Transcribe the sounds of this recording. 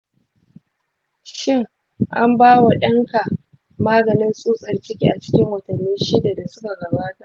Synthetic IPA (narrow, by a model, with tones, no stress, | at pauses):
ʃɪ˦ŋ | ʔa˦mbaː˦wa˨ɗɐ˦ŋka˨ | maː˦ɡɐ˨nɪ˦nsʼuː˦sʼɐ˨rt͡ʃɪ˦kʲi˦ʔa˨t͡ʃɪ̥˦kʲɪ˦ŋwɐ˨tɐ˨nːiː˦ʃɪ˦da˨da˨sʊ˦ka˨ɡɐ˨baː˦ta˨ʔ